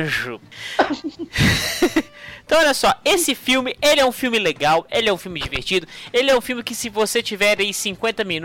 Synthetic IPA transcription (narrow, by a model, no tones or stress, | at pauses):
ʒʊ | t̪w̃ɔʎʲɐsɔesɪfiwmɪelɪɛũfiwmɪleɡawelɪɛũfiuwmɪd͡ʒivḛɾt͡ʃid̪ʊelɪɛũfiwmɪkɪsɪvoset͡ʃivɛɾaisĩŋkwẽnt̪ɐmĩn